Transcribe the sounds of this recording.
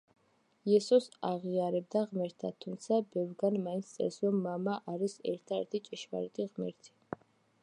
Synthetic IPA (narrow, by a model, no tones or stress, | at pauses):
iɛsɔsaʁiaɾɛb̚d̪aʁmɛɾt̪ʰat̪ʰumt̪sʰabɛvɾɡanmaint̪st̪sʼɛ̰ɾsɾɔmːamaʔaɾisɛ̰ɾt̪ʰaɛɾt̪ʰit͡ʃʼɛʃva̰ɾɛt̪ʼiʁmɛɾt̪ʰi̥